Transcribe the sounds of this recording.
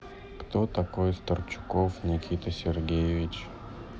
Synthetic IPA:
kt̪ot̪ɐkojst̪ərt͡ɕʊ̥kofnʲɪkʲit̪əsʲɪrɡʲejɪvʲɪt͡ɕ

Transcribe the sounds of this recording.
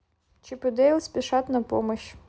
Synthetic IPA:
t͡ʃɪpɪd̪ɛjlˠsʲpʲɪʃɑt̪nɐpɔmɔʃ

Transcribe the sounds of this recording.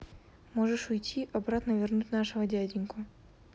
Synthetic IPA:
moʐɨʂʊjtʲʰiʔɐbɾat̪nəvʲɪrnutʲnaʂɨvədʲadʲɪnʲkʊ

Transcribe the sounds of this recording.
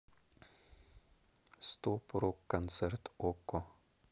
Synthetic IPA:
st̪oːpɾoːkːansɛɾt̪oːkːɔ

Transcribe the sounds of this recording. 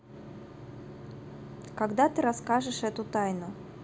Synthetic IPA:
kɐɡd̪at̪ɨɾɐskaʐɨʂɛt̪ʊt̪ajnʊ

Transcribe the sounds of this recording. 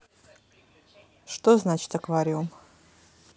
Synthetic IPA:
ʂt̪oznat͡ɕɪ̥t̪akvaɾʲɪum

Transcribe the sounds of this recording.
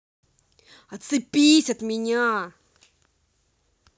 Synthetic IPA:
ɐt̪sɨpʲisʲɐt̪mʲɪnʲa

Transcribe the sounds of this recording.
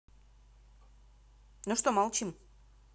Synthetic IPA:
noʃt̪omalˠt͡ɕim

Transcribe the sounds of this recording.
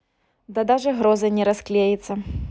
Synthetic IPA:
d̪ad̪aʐɨɣɾɔzɐnʲɛɾasklʲejɛt̪sːɐ

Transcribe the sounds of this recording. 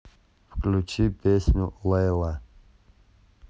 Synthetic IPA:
fklʲut͡ɕipʲesʲnʲʊlˠalˠa

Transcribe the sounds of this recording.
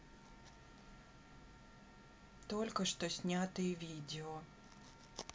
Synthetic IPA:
t̪olʲkəʂt̪osʲnʲat̪ɨjəvʲidʲɪo

